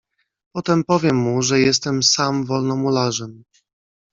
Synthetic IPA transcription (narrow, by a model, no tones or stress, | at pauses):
pɔt̪ɛmpɔvʲjɛmːuʐɛjɛst̪ɛmsamvɔlnɔmulaʐɛm